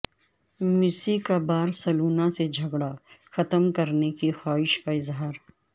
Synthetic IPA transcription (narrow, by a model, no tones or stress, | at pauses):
mɪsikabaːɾsɐluːnased͡ʒʱɐɡɽaxɐt̪əmkɐɾnekixaːɪʃkaɪzɦaːɾ